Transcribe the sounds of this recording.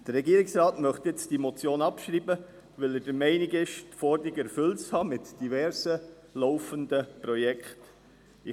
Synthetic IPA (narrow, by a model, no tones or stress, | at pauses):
d̥əɾɛɡiːəɾɪksɾɑːtmœχt̪jɛt͡std̥imot͡sjoːnɑpʃɾiːbə | ʋɛləd̥əɾmɛɪnɪɡɪʃtfɔɾdɾɪɡɛɾfʏlt͡shɑːmɪtd̥ivɛɾsə | lɔwfəndəpɾɔjɛkχt | ɪ